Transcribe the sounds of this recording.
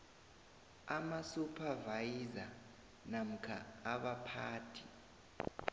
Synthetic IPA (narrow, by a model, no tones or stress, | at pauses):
amasupʰavajiza | nam̩kʰaːɓapʰaːtʰi